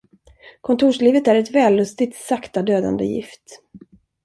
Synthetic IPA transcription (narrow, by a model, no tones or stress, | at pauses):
kʰɔnt̪ʰuːʂliːvət̪æɾɛt̪vɛːlːɵst̪ɪt̪sakt̪ad̪øːd̪a̰nd̪ə̰jɪ̰ft̪